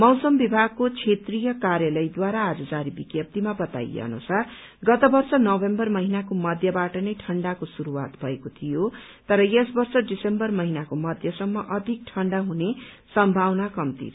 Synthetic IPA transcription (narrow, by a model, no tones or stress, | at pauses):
mʌwsʌmbibʱaɡ̚kot͡sʰet̪rijʌkarjalʌjd̪waɾaːd͡zʌd͡zaɾibikjʌp̚t̪imabʌt̪a̰jḛʌ̰nṵsar | ɡʌt̪ʌbʌrsʌnʌbembʌrmʌɦinakomʌd̪ʱjʌbaʈʌnʌjʈʰʌɳɖakosuɾuwa̰t̪bʱʌekot̪ʰijo | t̪ʌɾʌjesbʌrsʌɖisembʌrmʌɦinakomʌd̪ʱjʌsʌmːʌʔʌd̪ʱik̚ʈʰʌɳɖaɦune | sʌmbʱawnakʌmt̪ḭr